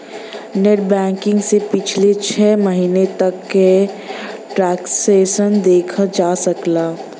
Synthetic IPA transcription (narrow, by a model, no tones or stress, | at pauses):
neʈ̚bɛ̃ːŋkɪ̃ŋɡsepɪt͡ʃʰlet͡ʃʰɛːməɦiːnet̪ɐkːe | ʈɾɛːksesənd̪eːkʰəd͡ʒasəklaː